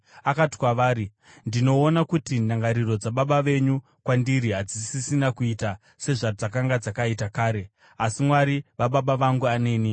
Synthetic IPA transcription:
akati̥kwaʋaːɾi | ndino̞ːnakutinaŋɡaɾiro̞d͡zaɓaɓaʋe̞ɲu | kwandiɾiɦad͡zisisinakuita | se̞ʐad͡zak̬aŋɡad͡zakaitakaːɾe̞ | asimwaɾiʋaɓaɓaʋaŋɡuane̞ːni

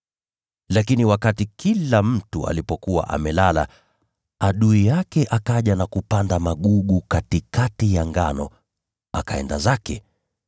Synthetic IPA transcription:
lakiniwakatikʰilam̩tua̰lipɔkuwa̰ʔa̰mɛlala̰ | aɗuijakɛʔakaʄanakupandamaɠuɠukatikatijaŋɡanɔ | akaɛ̰ndazakɛ

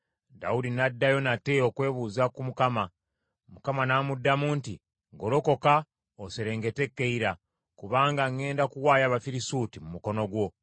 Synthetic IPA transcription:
da̰udinadːajo̞nateokwe̞ːβuːzakumukama | mukamanamudːamuːnti | ɡo̞lo̞ko̞ka | oseɾe̞ːŋɡe̞te̞kːe̞iɾa | kuβaːŋɡaŋe̞ːndakuwaːjaβafiɾisutimumuko̞no̞ɡwo̞

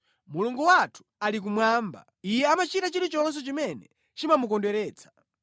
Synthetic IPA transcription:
muluŋɡuwatʰu̥alik̬umwaːmba̰ | ijɛamat͡ʃitat͡ʃiɾit͡ʃɔns̬ɛt͡ʃimɛnɛ | t͡ʃimamukɔndwɛɾɛːt͡sʰḁ

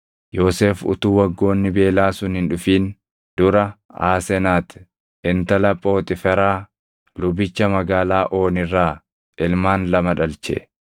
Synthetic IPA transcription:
jo̞ːseːfʊ̰t̪uːwɐɡːo̞ːnːɪbe̞ːlaːsʊnhɪnᶑʊfiːn | d̪̥ʊɾɐa̰ːsɛnaːt̪ɪ̥ | ɪnt̪ɐlɐpʼːo̞ːt̪ʼɪfɛɾaː | lʊbɪt͡ʃːɐmɐɡaːlaːʔoːnɪrːaː | ɪlmaːnlɐmɐᶑɐlt͡ʃɛ̰

